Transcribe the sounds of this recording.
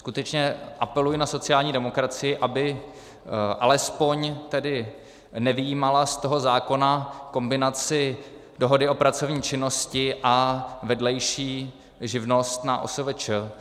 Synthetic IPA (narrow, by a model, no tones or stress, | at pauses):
skut̪ɛt͡ʃɲɛʔapɛlujɪnaso̞t͡sɪjaːlɲiːdɛmo̞kɾat͡sɪjɪʔabɪ | ʔalɛspo̞ɲt̪ɛdɪ | nɛvɪjiːmalast̪o̞ɦo̞zaːko̞nako̞mbɪnat͡sɪ | do̞ɦo̞dɪo̞pɾat͡so̞vɲiːt͡ʃɪno̞scɪʔavɛdlɛjʃiː | ʒɪvno̞st̪na̰ʔo̰sovɛt͡ʃə